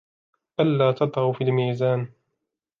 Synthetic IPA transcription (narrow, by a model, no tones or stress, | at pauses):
ʔalːaːt̪ɑd̪ˤɾɑfiːlmiːzaːn